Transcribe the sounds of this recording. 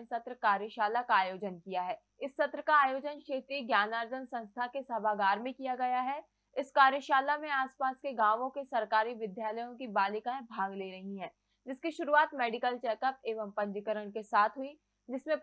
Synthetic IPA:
sɐt̪ɾəkaːɾjəʃaːlakaːjoːd͡ʒənkijaɦɛː | ɪsːɐt̪ɾəkaːjoːd͡ʒənʃeːt̪ɾiɡjaːnaːɾd͡ʒənsɐ̃nst̪ʰakesabʱaːɡaːɾmẽkijaɡɐjaɦɛ | ɪskaːɾjəʃaːlamẽaːspaːskeɡãːʋõkesɐɾkaːɾiʋɪd̪jaːləjõkibaːlɪkãẽbʱaːɡleːɾɐɦiɦɛ̃ː | d͡ʒɪskiʃʊɾuaːt̪mɛːɖɪkəlt͡ʃɛːkəp̚eːʋəmpɐ̃ɲd͡ʒəkəɾəɽ̃kesaːt̪ʰɦʊi | d͡ʒɪsmẽ

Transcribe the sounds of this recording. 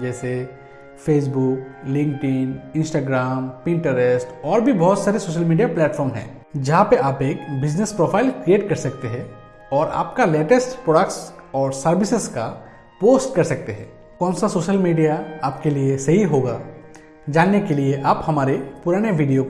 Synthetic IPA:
d͡ʒɛːse | feːs̬buːklɪ̃ŋk̚ʈɪnɪ̃nsʈaːɡɾaːmpɪ̃ɳʈəɾesʈɔːɾbʱibɔɦʊt̪saːɾesoːʃəlmiːɖijaplɛːʈfʰɔːɾmɦɛ̰̃ː | d͡ʒɐɦãpeʔaːpeːkbɪd͡ʒnespɾoːpʰaːɪlkɾijeːʈkɐɾsɐk̚t̪eɦɛ̃ | ɔːɾa̰ːp̚kaleːʈəsʈpɾoːɖəkʈsɔːɾsɐɾʋɪsɪzka | poːsʈkɐɾsɐk̚t̪eɦɛ̰̃ː | kɔːnsasoːʃəlmiːɖijaaːpkeliesɐɦiɦoːɡaː | d͡ʒaːnːekelieʔaːphɐmaːɾepʊɾaːñeʋiːɖijo

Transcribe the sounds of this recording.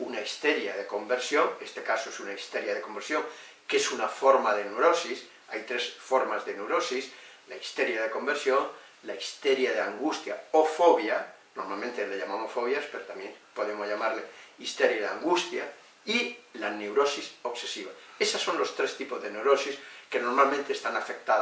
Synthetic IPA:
unaist̪eɾjaðeko̞mbeɾsjoŋest̪ekasoesunaist̪eɾjað̞ekombeɾsjo̞ŋ | kesunafoɾmaðeneɾosis | ajt̪ɾesfoɾmazðenewɾosislaist̪eɾjaðeko̞mbeɾsjo̞ŋ | laist̪eɾjaðeaŋɡust̪ja̰ofoβja | noɾmalmẽnt̪eleʎamamosfo̞βjaspe̞ɾot̪amjeŋpo̞ð̞emozʝamaɾleist̪eɾjaðea̰ŋɡust̪ja | ilane̞wɾo̞siso̞kse̞siβaesasːõ̞nlo̞st̪ɾest̪ipozðenewɾo̞siske̞no̞ɾmalmẽnt̪eːst̪anafe̞k̚t̪a

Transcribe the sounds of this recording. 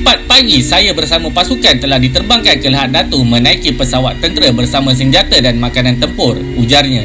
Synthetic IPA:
pat̪̚paɡisajabərsamãpasukant̪əlahdit̪ərbaŋkankələɦat̪̚dat̪umə̃nãikipəsawat̪ːənt̪əɾəbərsamãs̬əɲd͡ʒat̪adanmãkanant̪əmpʊr | ud͡ʒarɲã

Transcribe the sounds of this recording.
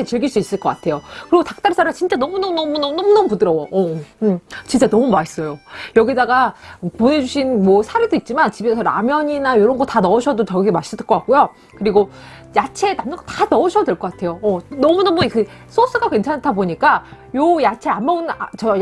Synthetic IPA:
et͡ɕiɭɡiɭs͈uis͈ɯɭk͈ʌk͈atʰe̞jokɯɾiɡotak̚t͈aɭs͈aɾɯat͡ɕint͡ɕ͈anʌmunʌmunʌmunʌmnʌmunʌmupudɯɾʌwoʔʌ | t͡ɕint͡ɕ͈anʌmumais͈ʌjojʌɡidaɡapone̞d͡ʑuɕʰinmwʌsʰaɾedoit̚t͡ɕ͈imant͡ɕibesʰʌɾa̰mjʌɲinajoɾʌnɡʌtanʌɯɕʰʌdot͡ɕʌɡiɡemaɕ͈ʰidɯk͈ʌk͈ak͈̚ujo | kɯɾiɡo | jat͡ɕʰe̞namnɯnŋɡʌtanʌɯɕʰʌdweɭk͈ʌk͈atʰe̞joʌnʌmunʌmukɯ | s͈ʰos͈ʰɯɡakwe̞nt͡ɕʰantʰaboɲik͈a | jojat͡ɕʰe̞anmauna̰t͡ɕʌ

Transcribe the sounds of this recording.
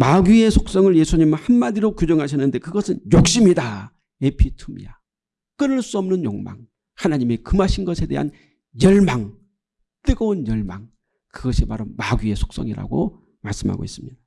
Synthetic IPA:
maɡie̞sʰok̚s͈ʌŋɯɭje̞sʰuɲimhanmadiɾokjud͡ʑʌŋɦaɕʰʌnːɯnde̞kɯɡʌsʰɯnjok̚ɕ͈imida | epʰitʰumḭja | k͈ɯɾɯɭs͈uʌmnɯnjoŋma̰ŋ | hanaɲime̞kɯmaɕʰinɡʌsʰe̞de̞ɦa̰n | jʌɭmaŋ | t͈ɯɡʌonjʌɭmaŋ | kɯɡʌɕʰimaɾomaɡie̞sʰo̥k̚s͈ʌŋiɾa̰ɡo̰ | maɭs͈ɯmɦa̰ɡo̰is͈ɯmɲid̥a

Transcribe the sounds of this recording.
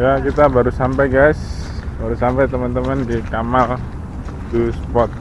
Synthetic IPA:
jakit̪abaɾusampajɡajsbaɾusampajt̪əmənt̪əməndikamal | d̪usəpɔt̪̚

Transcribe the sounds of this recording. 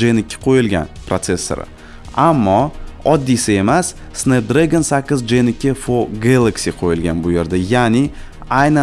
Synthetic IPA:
d͡ʒenɪkʲʰːɪ̥qʰojɪlɡʲa̰npɾat̪se̞sːo̰ɾɪ̰ | amːɒɒd̪ːijsɪe̞masːned̪ɾeɡʲonsakʲːɪzd͡ʒenɪkʲʰːɪfoɡalˠaksiqʰojɪlɡʲanbʊje̞ɾd̪ajanɪ | ajna

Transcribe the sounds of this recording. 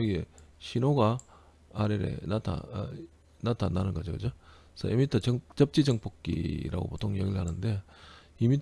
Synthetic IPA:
ɡḛɕʰinoɡaː | ɾeɾḛnatʰa̰ | natʰanːanɯnɡʌd͡ʑokɯd͡ʑo | sʰʌemitʰʌt͡ɕʌt͡ɕʌp̚t͡ɕ͈id͡ʑʌŋp͈ʰok͈ḭɾa̰ɡo̰potʰoŋjʌɡiɭɦanɯnde̞imit

